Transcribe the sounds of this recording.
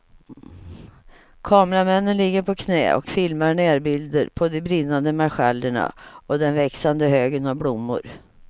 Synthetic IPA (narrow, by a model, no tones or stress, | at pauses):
kʰɑːmɾamɛnːənlɪɡːəɾpʰɔkʰnɛ̰ːɔ̰kfɪlmaɾɳɛːɾbɪld̪əɾpʰɔd̪ɛbɾɪnːand̪əmaɧalːəɳa̰ɔd̪ɛnvɛksand̪əɦøːɡənavblʊmːʊ̰ɾ